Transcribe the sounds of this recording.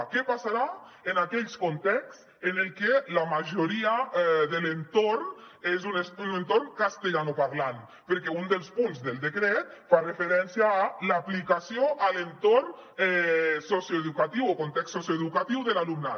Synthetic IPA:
kepasaɾa | enakɛʎskont̪ɛks | enelˠkelamaʒoɾiaɛðelent̪oɾn | ezuneunent̪orŋkast̪eʎanopaɾlan | peɾkɛund̪elˠspunzðelˠd̪ekɾɛt̪̚farefeɾɛnsjaːlaplikasioʔalent̪orn | ɛsosjoeðukat̪iwokont̪ɛksosjoeðukat̪iwðelalumna

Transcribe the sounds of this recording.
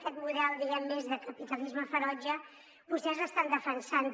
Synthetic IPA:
kɛt̪muðɛlˠd̪iɣɛmːezðəkəpit̪əlizməfəɾɔd͡ʒə | pust̪ɛzəst̪and̪əfənsan

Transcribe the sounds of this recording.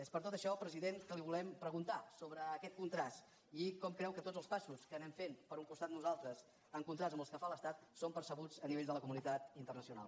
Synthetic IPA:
espəɾt̪ot̪əʃɔpɾəziðeŋkəliβulɛmpɾəɣ̞unt̪asoβɾəːkɛt̪̚kunt̪ɾast̪ | ikɔmkɾɛwkət̪odd͡zəlˠspasuskənɛmfenpəɾuŋkust̪at̪nuzalˠt̪ɾəs | əŋkunt̪ɾazəmbəskəfaləst̪at̪sompəɾsəɣ̞ud͡zəniβeʎd̪ələkumunit̪at̪int̪ərnəsiuna̰lˠ

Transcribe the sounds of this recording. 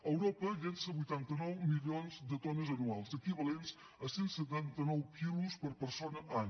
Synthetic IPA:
əwɾɔpəʎensəβujt̪ant̪ənɔwmiʎionzd̪ət̪ɔnəzənualˠzəkiβəlenz̥ | əsensət̪̬ant̪ənɔwkiluspəɾpəɾsonəʔan

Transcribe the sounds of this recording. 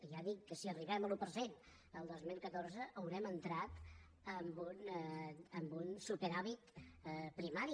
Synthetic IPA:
ʒaðikːəsiəriβɛməlupəɾzen | əlˠd̪ozmilˠkət̪oɾzəʔəwɾɛmənt̪ɾat̪ | əmbun | əmbunsupeɾaβit̪pɾimaɾi

